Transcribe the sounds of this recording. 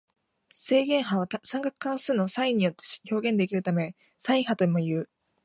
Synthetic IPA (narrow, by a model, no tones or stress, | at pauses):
se̞ːɡẽ̞ɰ̃ɦaβasãŋkakɯ̟̥kãɰ̃sɨːno̞saĩɲ̟ːijo̞t̪ːe̞̥ço̞ːɡẽ̞nd̪e̞kʲiɾɯ̟t̪amẽ̞ | saĩɰ̃hat̪o̞imo̞jɯ̟ː